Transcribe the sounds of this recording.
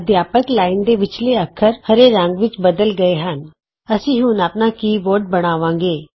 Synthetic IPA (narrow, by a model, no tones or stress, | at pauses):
d̪ʱjaːpəklaːɪnd̪eʋɪt͡ʃleɐkʰəɾhəɾeɾə̃ŋɡʋɪt͡ʃbəd̪əlɡɐeɦən | ɐsĩɦʊnəpnakiːʋoːɾɖ̚bɐɽ̃aːʋãːŋɡeː